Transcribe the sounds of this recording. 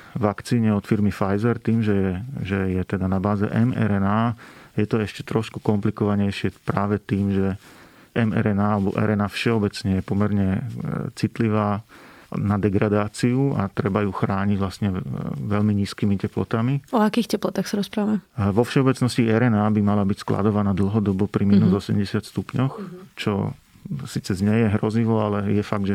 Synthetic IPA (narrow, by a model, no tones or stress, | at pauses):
ʋakt͡siːɲɛɔt̪fiɾmifajzɛɾt̪iːmʒɛjɛʒɛjɛt̪ɛd̪anabaːzɛ̰ʔɛmɛ̰ɾɛnaːjɛt̪ɔɛʃcɛ̥t̪ɾɔʃku̥kɔmplikɔʋaɲɛjʃɪɛpɾaːʋɛt̪iːmʒɛ | ʔɛmɛ̰ɾɛnaːalɛbɔ̰ʔɛ̰ɾɛnaːfʃɛɔbɛt͡sɲɛjɛpɔmɛɾɲɛt͡sit̪liʋaː | nad̪ɛɡɾad̪aːt͡siua̰t̪ɾɛbajuxɾaːɲiɟʋlast̪ɲɛʋɛʎmiɲiːskiːmicɛplɔ̰t̪amiɔakiːxcɛplɔt̪axsaɾɔspɾaʋamɛʋɔfʃɛɔbɛt͡snɔsciɛɾɛnaːbimalabicskla̰d̪ɔʋanaːd̪l̩ˠɦɔd̪ɔbɔpɾiminuːzɔsɛ̰mɟɛsɪat̪st̪upɲɔxt͡ʃɔ̰ | siːt͡sɛzɲɛjɛɦɾɔziʋɔalɛjɛfaɡ̚d̪ʒɛ